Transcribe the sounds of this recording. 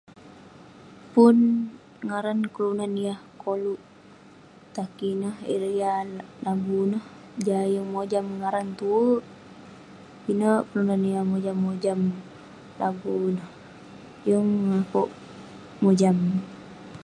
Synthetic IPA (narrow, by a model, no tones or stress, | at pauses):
pun | ŋaɾankəlunanijahkoluʔ | t̪akinəhḭɾjalaɡunəh | d͡ʒajəŋmod͡ʒamŋaɾant̪uu | kinəkəlunaniahmod͡ʒamːod͡ʒam | lʔa̰ɡunəh | jəŋŋakɔʔ | mod͡ʒam